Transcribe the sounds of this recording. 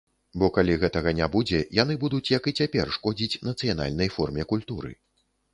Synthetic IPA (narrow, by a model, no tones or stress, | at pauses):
bɔkalʲiɣɛt̪ɐɣɐnʲabud͡zʲɛjan̪ɨbud̪ut͡sʲjɐkɨt͡sʲapʲɛrʂkɔd͡zʲit͡sʲnɐt̪sɨjana̰lʲnɐjfɔrmʲɛkulʲt̪uɾɨ̰